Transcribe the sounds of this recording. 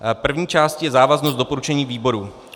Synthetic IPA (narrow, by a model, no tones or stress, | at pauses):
pr̩vɲiːt͡ʃaːscijɛzaːvaznost̪do̞po̞ɾut͡ʃɛɲiːviːbo̞ɾu